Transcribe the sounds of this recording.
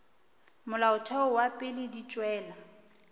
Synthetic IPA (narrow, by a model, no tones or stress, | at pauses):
mʊlaʊtʰɔʊwapʼɪlɪdit͡ʃʼwɛːla